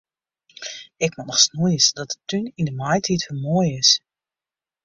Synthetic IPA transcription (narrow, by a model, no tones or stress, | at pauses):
ɪkmɔnɔxsnujəsdɔt̚ətːynindəmajtʰitfəlˠmoəjɪs